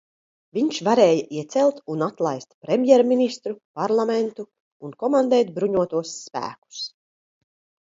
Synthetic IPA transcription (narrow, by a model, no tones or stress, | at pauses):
vʲiɲʃvaɾɛːjaʔiɛt̪sɛlˠt̪unat̪lˠajst̪pɾɛmjɛɾminist̪ɾupaɾlˠament̪uː | nkɔmand̪ɛːt̪bɾuɲuɔt̪uɔsːpæ̰ːku̥s